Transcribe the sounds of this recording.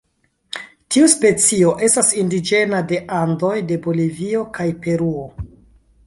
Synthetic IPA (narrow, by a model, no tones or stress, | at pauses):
tʰiuspe̞t͡sio̞ʔe̞stasindid͡ʒe̞nade̞ʔando̞jde̞bo̞livio̞kajpe̞ɾuo